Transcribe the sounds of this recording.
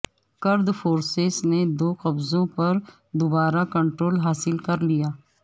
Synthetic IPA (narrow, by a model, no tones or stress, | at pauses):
kəɾd̪fʰoːɾsezneːd̪oːqəbzõːpəɾ | d̪ʊbaːɾaːkəɳʈɾoːlɦaːsɪlkəɾlɪjaː